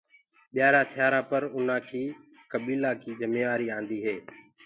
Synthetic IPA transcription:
ɓɪjaːɾãːt̪ʰɪjaːɾãːpəɾʊn̤ãːkʰiː | kəɓiːlaːkʰiːd͡ʒəmeːʋaːɾiːãːnd̪iːɦeː

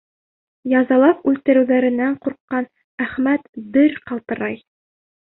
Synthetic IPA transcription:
jɑzɑlˠɑpʉlt̪ɘ̆ɾɘ̆wðæɾɘ̆nːæɴquɾqːɑn | æχmæt̪bɘɾqɑlˠt̪ɤ̆ɾɑj

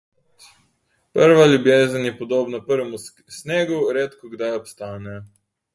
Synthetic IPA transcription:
pəɾʋalʲjubjeːzənjɛpɔd̪oːbnapəɾʋɛmu | sneːɡuɾeːt̪kɔɡd̪ajɔpst̪aːnɛ

